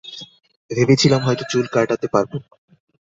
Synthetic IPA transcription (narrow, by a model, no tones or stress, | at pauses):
bʱebet͡ɕʰilamɦɔjt̪ot͡ɕulkaɾʈat̪epaɾbo